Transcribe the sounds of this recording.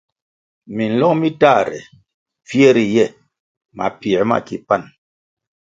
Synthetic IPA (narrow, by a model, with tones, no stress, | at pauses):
mi˨n̩˨lɔ˦ŋmi˦ta˦˨ɾɛ̰˨ | fjɛ˦ɾi˨jɛ˦˨ | ma̰˨pi˨˦ma̰˦˨ki˨pa˦˨n